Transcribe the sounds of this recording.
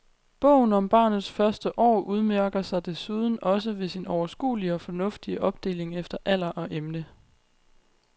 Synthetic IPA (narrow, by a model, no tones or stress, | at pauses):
b̥ɔ̰̽ʊ̰n̩ɒ̽mb̥ɑ̈ːnð̩ˠsfɶɐsd̥əʔɒ̰ːʔuð̞ˠmæɐɡ̥ɐsɑ̈ɪd̥e̝suːð̞ˠn̩ɒ̽s̬əʋe̝sinɒʊɐsɡ̥ṵːliɒ̽fɒ̽nɔ̽fd̥iəʔɒ̽b̥̚d̥e̝̰ːle̝ŋefd̥ɐʔæl̰ɐʔɒ̽ʔemnə